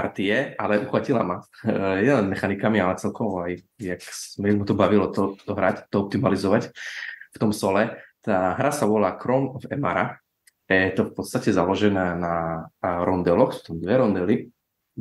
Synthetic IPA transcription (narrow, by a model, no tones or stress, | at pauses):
aɾt̪ijɛalɛʔuxʋacila̰majɛlɛnmɛxanikamialɛt͡sɛlkɔʋaj | jaksmimut̪ɔbaʋilɔt̪ɔt̪ɔɦɾact̪ɔɔp̚t̪imalizɔʋacft̪ɔmsɔlɛt̪aːɦɾasaʋɔlaːkɾɔmɔfɛma̰ɾa̰ | jɛt̪ɔfpɔt̪st̪acɛzalɔʒɛnaːnaɾɔnd̪ɛlɔxt̪ɔmd̪ʋɛɾɔnd̪ɛli